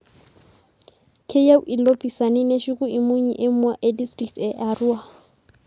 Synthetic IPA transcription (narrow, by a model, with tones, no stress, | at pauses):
kʰe˦ja˦uʔi˨lo˦pʼisa˨nɪ˦ne˦ʃʊ˦kʼʊ˦ʔɪ˨mʊ˦ɲi˨ʔe˦mwa˦ʔe˦di˦stʼri˨kʰtʰɛʔaru˦a˦